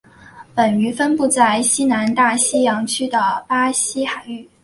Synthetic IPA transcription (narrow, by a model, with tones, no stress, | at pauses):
pə˨˩ny˧˥fə˥npu˥˧t͡sa˥˩ɪɕi˥na˧˥nt̪a˥˩ɕi˥jɑ˧˥ŋt͡ɕʰy˥d̪ə˨pa˥ɕi˥xa˨˩ɪy˥˩